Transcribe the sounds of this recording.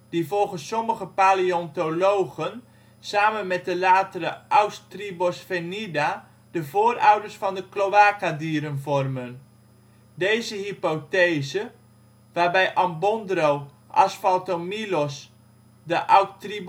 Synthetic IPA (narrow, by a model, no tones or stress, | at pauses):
d̥ivɔlˠχənsɔməχəpaːliɔntolowɣən | saːmənmɛt̚dəlaːtəɾəʔawstribɔsfenida | dəvoːrawdərsfɑndəklowaːkadiːɾənvɔrmən | dejzəɦipotezə | ʋaːrbɛjʔɑmbɔndrow | ʔa̰sfaltomilɔs | dəʔawtri